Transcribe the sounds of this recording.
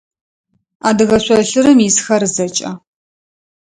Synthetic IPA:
aːdɨɣɐɕʷɐɬɨɾɨmjɪsxɐɾɨzɐt͡ʃʼɐ

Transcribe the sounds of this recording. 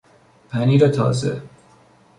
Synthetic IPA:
pʰæniːɾet̪ʰɒ̰ːzḛ

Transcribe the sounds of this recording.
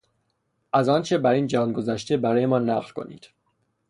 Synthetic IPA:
ʔæzɒːnt͡ʃʰebæɾiːnd͡ʒænɡo̞zæʃt̪ebæɾɒːjemɒːnæɣlkʰo̞̰nḭːd̪̥

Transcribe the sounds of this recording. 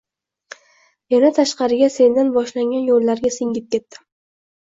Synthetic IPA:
janat̪ʰaʃqɑɾɪɡʲase̞nd̪anbɒʃlaŋɡʲanjolːaɾɡʲasɪŋɡʲɪp̚kʲe̞t̪ːɪ̥

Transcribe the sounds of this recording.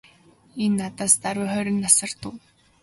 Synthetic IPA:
enːat̪aːst̪aɾwɪ̆χœɾʲɪ̆nːasə̆r̥t̪ʊː

